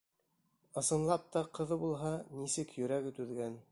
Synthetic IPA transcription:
ɤ̆sɤ̆nlˠɑp̚t̪ɑqʰɤ̆ðɤbulˠɦɑnisɘkjɵ̆ɾæɡɘt̪ʉðɡæn

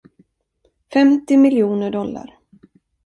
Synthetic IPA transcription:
fɛmt̪ɪmɪljuːnəɖɔlːa̰ɾ

